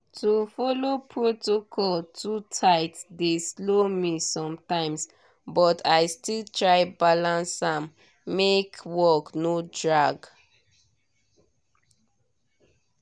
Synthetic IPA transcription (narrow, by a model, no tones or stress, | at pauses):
tufɔlopʰɹotokʰɔltʰutʰaɪtsdeslomisɔ̃mtãɪ̃ms | bɔtʰaɪstiltʰɹaɪbalãnsãmː | ekwɔknodɹaɡ